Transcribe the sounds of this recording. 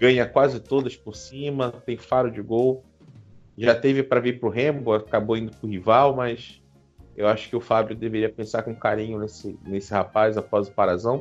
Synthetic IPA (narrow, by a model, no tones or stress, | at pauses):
ɡɐ̃ɲɐkwazɪt̪od̪ɐspʊɾsĩmɐt̪ẽj̃faɾʊd͡ʒɪɡow | ʒat̪evɪpɾɐiɾpɾʊɦẽbʊakaboĩnd̪ʊpɾʊɦivawmɐs | ewaʃʊ̥kɪʊfabɾjʊd̪eveɾiɐpẽsaɾkõkaɾĩɲʊnesɪnesɪhapazapɔzʊpaɾazɐ̃w̃